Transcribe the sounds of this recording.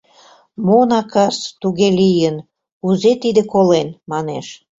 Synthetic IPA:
monɑkɑst̪uɣelijən | uzet̪id̪ekolenmɑneʃ

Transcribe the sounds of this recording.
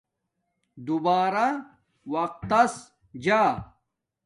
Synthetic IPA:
d̪ubaːɾa | wɐq̚t̪ːɐs | d͡ʑaː

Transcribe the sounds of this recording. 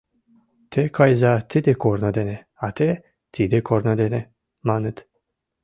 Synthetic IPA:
t̪ʰekʰɑjzat̪ʰid̪ekʰoɾnod̪ene | at̪ʰe | t̪ʰid̪ekʰoɾnod̪ene | manɨt̪

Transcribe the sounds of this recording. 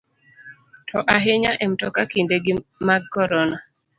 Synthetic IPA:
tʰɔʔaɦeɲaʔemtɔkakindeɡɪmaɡkɔɾɔna

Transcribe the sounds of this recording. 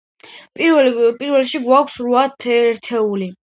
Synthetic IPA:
pʼipʼiɾvɛlʃiɡwakʷʰsɾuat̪ʰɛɾt̪ʰɛuli

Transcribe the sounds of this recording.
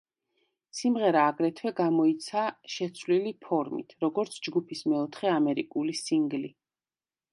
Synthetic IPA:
simʁɛɾaːɡɾɛt̪ʰwɛɡamɔit̪sʰaʃɛt̪sʰvlilipʰɔɾmḭt̪ʰɾɔɡɔɾt̪sʰd͡ʒɡupʰismɛɔt̪ʰχɛamɛɾikʼulisiŋɡli

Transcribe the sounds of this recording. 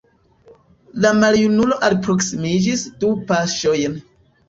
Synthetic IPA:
lamaljunulo̞ʔalpɾo̞ksimid͡ʒisdupaʃo̞jn

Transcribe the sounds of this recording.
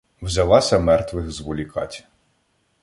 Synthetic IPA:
wzʲɐlˠɑsʲɐmɛrt̪ʋɪxzʋɔlʲikɑ̰tʲ

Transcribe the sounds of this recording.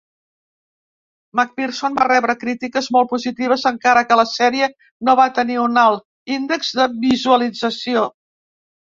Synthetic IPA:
mak̚piɾsonbarɛβɾəkɾit̪ikəzmolˠtpuzit̪iβ̞əzəŋkaɾəkələsɛɾiə | noβat̪əniunalˠ | ind̪əkzðəβizuəlid͡zəsio

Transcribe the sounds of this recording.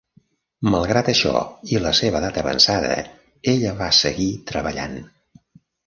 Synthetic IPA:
məlˠɣɾat̪əʃɔ̰iləseβəðat̪əβə̰nsaðə̰ | eʎəβasəɣit̪ɾəβəʎa̰n

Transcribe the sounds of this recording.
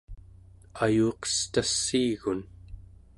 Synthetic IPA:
ajuːqʌ̥st̪asːiːɣun

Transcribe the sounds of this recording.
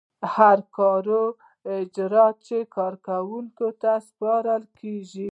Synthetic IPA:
haɾkɑɾo | ɪd͡ʒɾɑt̪̚t͡ʃekɑɾkawuŋkot̪aspɑɾəlkeʒi

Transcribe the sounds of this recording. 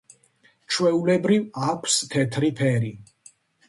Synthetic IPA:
t͡ʃʰwɛulɛbɾivakʷʰst̪ʰɛt̪ʰɾipʰɛɾi

